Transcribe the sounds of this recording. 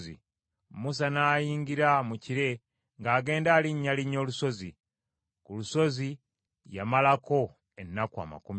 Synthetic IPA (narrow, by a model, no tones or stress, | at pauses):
zḭ | mus̬anaːjiːŋɡiɾamuciɾe̞ | ŋɡaːɡe̞ːndaːliɲːaliɲːo̞ːluso̞zi | kuluso̞zi | jamalako̞ | enːakua̰ma̰kum